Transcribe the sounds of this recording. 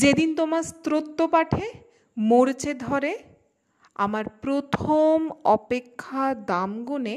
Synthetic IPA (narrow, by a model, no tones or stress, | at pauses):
d͡ʑed̪int̪omast̪ɾot̪ːopaʈʰe | moɾt͡ɕed̪ʱɔɾe | a̰maɾpɾot̪ʰomɔpekʰːad̪amɡone